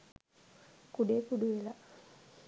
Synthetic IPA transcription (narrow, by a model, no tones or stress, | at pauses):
kuɖeːkuɖuʋela